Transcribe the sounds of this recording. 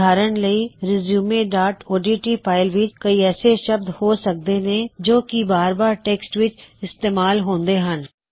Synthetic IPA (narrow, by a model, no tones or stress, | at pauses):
aːɾənləiːɾɪzjuːmeːɖaːʈoːɖiːʈiːpʰaːɪlʋɪt͡ʃkəiːɛːseʃəb̚d̪hoːsək̚d̪eːnẽd͡ʒoːkibaːɾbaːɾʈeːksʈʋɪt͡ʃɪst̪eːmaːlɦõːnd̪eːɦən